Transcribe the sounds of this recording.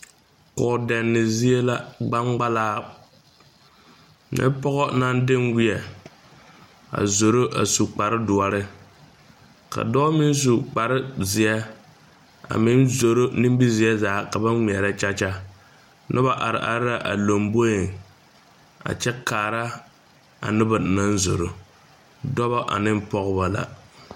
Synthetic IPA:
kɔ˨dɛ˨nːɪ˨zi˦e˦la˦ɡ͡ba˦ŋɡ͡ba˦laː˦ | nɪ̰˦pɔ˦ɣɔ˦na˦ndɪ˦ŋɡi˦ɛ˨ | a̰˨zo˨ɾo˦ʔa̰˨su˨k͡pa˨ɾɪ˦dʊ˨a˨ɾɪ˦ | ka̰˨dɔː˦mɪ˦n˦s̬u˨k͡pa˨ɾɪ˦zɪ˨ɛ˦ | a̰˨mɪ˦nzo˨ɾo˦nɪ˦m˦bi˦zɪ˨˦ɛ˦zaː˨˦ka˨ba˦ŋ͡mɛ˨ɾa˦t͡ʃa˦t͡ʃa˦ | nʔʊ˦ba˨ʔa˨ɾɪ̰˨ʔa̰˨ɾɪ˦ɾa˨ʔa˨lo˨mbo˦jɪ˨ŋ | a̰˨t͡ʃɛ˦kaː˨ɾa˦ | a̰˨nʊ˦ba˨na˦n˦zo˨ɾo˦ | dɔ˦ba˦ʔa̰˨nɪ˦m˦pɔ˦ɣʊ˦ba˦la̰˨

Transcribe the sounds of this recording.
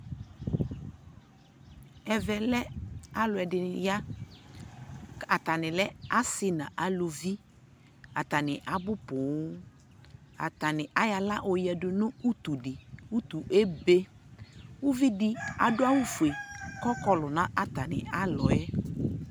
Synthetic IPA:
ɛ˨vɛ˨lɛ˦a˦lʊ˨ɛ˨dɪ˨ja˦ | a˨t̪a˨nɪ̃˨lɛ˦a˦sɪ˦nã̰˨ʔa˨lo˨vi˦ | a˨t̪a˨nɪ˨ʔa˨bʊ˦pʊ˨˦ | a̰˨t̪a˨nɪ˨ʔa˦ja˨la˦ʔo˨jɛ˨dʊ˨nʊ̃˦u˦t̪u˨dɪ˨u˦t̪u˨ʔe˦be˦ | u˦vi˦dɪ˨a̰˨dʊ˦a˦wu˦fu˨e˨kɔ˦kɔ˦lʊ˨nã˦ʔa˨t̪a˨nɪ̰˨a˦lɔ˨ɛ˦

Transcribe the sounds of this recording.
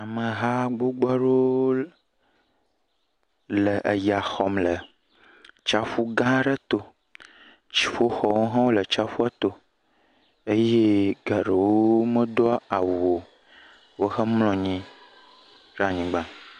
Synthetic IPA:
a˨mə̃˨ɦa˦ɡ͡bo˦ɡ͡ba˦ɖo˦ | lə˨ʔə˨ja˨xɔ˨mlə˨ | t͡ʃa˦fu˦ɡã˦ɖə˦t̪o˦ | t͡ʃi̥˨fo˦xɔ˨wo˦ɦã˦wo˦lə˨t͡ʃa˦fu˦a˦t̪o˦ | e˦je˦ɡa˨ɖə˨wo˦mə̃˦ɖɔ˦a˨wu˨o˨ | wo˦xə˦mlɔ̃˨ɲĩ˦ | ɖa˨ɲĩ˨ɡ͡bã˦

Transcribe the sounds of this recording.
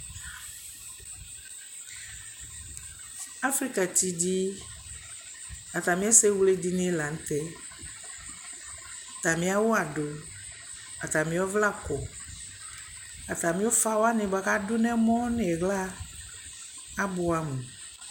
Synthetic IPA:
a˦fɾi˦ka˨ti˨di˦ | a˨t̪a˨mĩ˦ɛ˦se˦wle˦di˦nɪ˦ɛ˦la˨n̩˦t̪ɛ˦˨ | t̪a˨mĩ˦a˦wʊ˦a˨ɖʊ˨ | a˨t̪a˨mĩ˦ɔ˦vla˦˨kɔ˨ | a˨t̪a˨mĩ˦o˦fa˦wa˦nɪ̃˨ba˨ka˦dʊ˦nɛ̃˦mɔ̃˦nɪ˨ɛ˨ɣla˦ | bʊ˨a˨mũ˨

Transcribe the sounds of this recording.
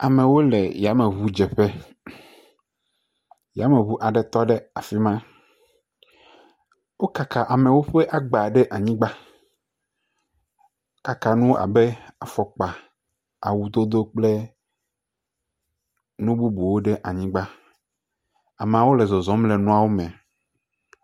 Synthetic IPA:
a˨mẽ˨wo˦lɛ˨ja˨˦me˨βu˦d͡ʒɛ˨ɸe˦ | ja˨˦me˨βu˦ʔa˨ɖɛ˨t̪ɔ˦ɖe˦a˨fi˦mã˦ | wo˦ka˨ka˨ʔa˨me˨wo˦ɸe˦ʔa˦ɡ͡ba˨ɖe˦ʔa˨ɲĩ˦ɡ͡ba˦ | ka˨ka˨nũ˦wʔa̰˨be˦a˨fɔ˨k͡pa˨ | a̰˨wu˨d̪o˦d̪o˦k͡ple˦ | nũ˦bu˦bu˨wo˦ɖe˦ʔa˨ɲĩ˦ɡ͡ba˦ | a˨m˨ã˨wo˦le˨zɔ˨zɔ̃˦mle˨nũ˦a˦wo˦mẽ˨

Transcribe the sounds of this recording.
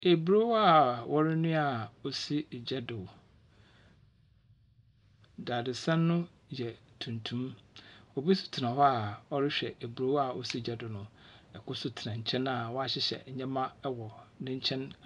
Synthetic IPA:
e˨bɾo˦wa˦˨wʔɔ˦ɾɪ˦nʊ̃˦a˨o˨si˦˨d͡ʑɛ˦dʊ˨w | da˨dɪ˨sã˦nːʊ̃˦ | jɛ˨tʰũ˨ntʰũ˦mɔ˨bi˦sʊ̥˨tʰɪ˨nã˨hɔ˦a˨ɔ˦ɾɪ˦ɕᶣɛ˨ʔe˨bɾo˦wa˨o̰˨si˦d͡ʑɛ˦dʊ˨nʊ̃˨ɛ˨kʊ˦sʊ˦tʰɪ˨nã˨ɲ̩˨t͡ɕʰɛ̃˦na˨wɔ˦a˦ɕɪ˦ɕɛ̰˨ɲ̩˦ɲɛ̃˦mã˦wɔ˨nɪ̃˦ɲ̩˦t͡ɕʰɛ̃˦n

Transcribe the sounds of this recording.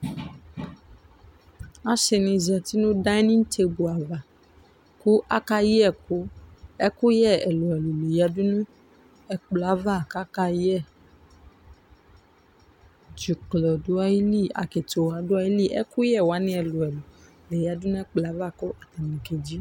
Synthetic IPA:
a˦ʃɛ˨nĩ˧˨za˨ti˨˦nũ˦da˦i˦nĩ˦n̩˦tʰe˧bu˨a˨va˨ | ku˦ʔa˦ka˧ji˦ɛ˦˨ku˦ɛ˦ku˦jɛ˦˨ɛ˨lu˨ɛ˨lu˨le˨ja˧du˦nũ˦ | ɛ˦k͡pla˨˦va˦˨ka˦ka˧jɛ˦˨ | d͡ʒi˨klɔ˨du˦a˧i˦li˦˨a̰˨ke˨to˨wa˨˦du˦a˧ji˦li˦˨ʔɛ̰˦ku˦jɛ˦˨wa˨˦nĩ˧˦ɛ˨lu˨ɛ˨lu˨ | le˨ja˨du˦nũ˦ɛ˦k͡pla˨˦va˦˨kɔ˦ʔa˨ta˨nĩ˨ke˨d͡ʒi˨˦

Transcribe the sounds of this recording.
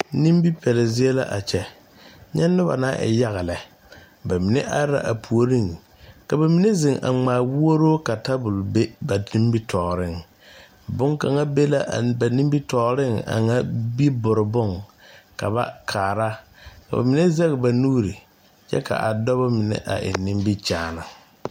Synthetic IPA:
ni˦mbi˦pʰɛ˨lɛ˨zɪ˦e˦la̰˦ʔa˨t͡ʃɛ˦ | ɲɛ˦nːʊ˦ba̰˨naː˦ʔɛ̰˨ja˦ɣa˨lɛ˨ | ba˨mi˨nɛ˦ʔa˦a̰˨ʔa˨pʰu˨o˨ɾi˦˨ŋ | ka˨ba˨mi˨˦ne˦zɪ˨ŋʔa̰˨ŋ͡maː˨wu˦o˦ɾoː˦ka˨ta˦bʊ˨lbe˦ba˨di˦m˦bi˦tʰɔː˨ɾɪ˦ŋ | bʊ˦ŋka˨ŋa˦be˦la˦˨ba˨ni˦mbi˦tɔː˨ɾɪ˦ŋa̰˨ŋa˦bi˦bʊ˨ɾɪ˨bʊ˦˨ŋka˨ba̰˦kʰaː˨ɾa˦ka̰˨ba̰˨mɪ˨ne˦zɛ˦ɣɪ˨ba˨nuː˦ɾi˨ | t͡ʃɛ̰˦ka̰˨ʔa˨dɔ˦ba˦mɪ˨nɛ̰˨ʔa̰˨ʔɪ̰˨nːɪ˦mbi˦t͡ʃaː˨na˨

